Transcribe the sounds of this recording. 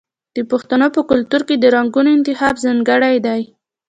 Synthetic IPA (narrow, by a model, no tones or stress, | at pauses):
d̪̥əpʊxt̪anopəkʊlt̪uɾked̪əɾaŋɡunoɪnt̪ɪxɑbzaŋɡaɽajd̪aj